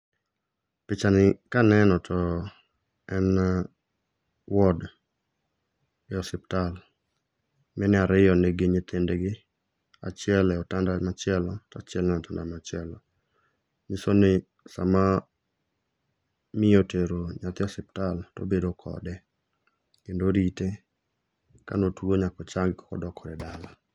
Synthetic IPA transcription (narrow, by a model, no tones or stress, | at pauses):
pɪt͡ʃanɪkanɛnɔtʰɔ | ɛn | wɔd | ɪɔsɪptal | mɛnɪaɾɪjɔneɡɪɲɪt̪ɪndeɡɪ | a̰t͡ʃɛlɛɔtandamat͡ʃɪɛlɔtat͡ʃɪɛlnɛɔtandamat͡ʃɪɛlɔ | ɲɪsonɪ | sa̰ma | mɪjoteɾoɲat̪ɔsɛp̚talto̰bedokʰɔ̰dɛ | kendoɾite | ka̰notwoɲakɔt͡ʃaŋɡkɔ̥kɔ̰dɔkʰɔdɛdala